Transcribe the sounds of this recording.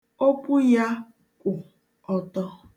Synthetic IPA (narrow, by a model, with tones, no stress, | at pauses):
o˦pu˦ja˦ | kʷʊ˨ | ɔ˨tɔ˦